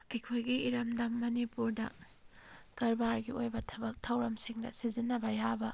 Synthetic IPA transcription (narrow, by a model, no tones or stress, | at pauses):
ɐjkʰojɡiʔiɾɐmdɐmːɐnipuɾdɐ̰ | ɡ̥ɐlbaɾɡiojbɐtʰɐbɐk̚tʰɐwɾɐmsiŋdɐ̰sizinːɐbɐjabɐ